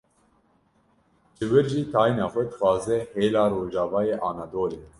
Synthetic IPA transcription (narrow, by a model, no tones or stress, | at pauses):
d͡ʒɨwɨɾʒiːt̪ʰɑːjnɑːxʷɛd̪xʷɑːzɛheːlaːɾoːʒɑːvɑːjeːʔɑːnɑːd̪oːɾeː